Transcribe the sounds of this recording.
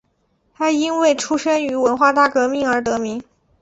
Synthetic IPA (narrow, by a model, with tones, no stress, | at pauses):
t̪ʰa˥i˥nwe˥˩ɪʈ͡ʂʰu˥ʂə˥ny˧˥wə˧˥nxwa˥˧t̪a˥˩kɤ˧˥mi˥˩ŋə˞˧˥t̪ɤ˧˥mi˧˥ŋ